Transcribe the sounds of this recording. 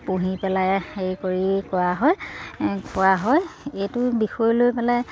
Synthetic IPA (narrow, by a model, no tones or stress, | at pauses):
puɦipɛlajxejkoɹikɔwaɦɔjkʊwaɦɔjejtʊbixɔjlojpɛlaj